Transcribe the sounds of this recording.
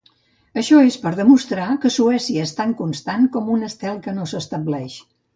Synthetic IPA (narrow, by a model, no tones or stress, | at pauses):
əʃɔespəɾðəmust̪ɾakəsuɛsiəest̪aŋkunst̪ankɔmunəst̪ɛlˠkənosəst̪əblɛʃ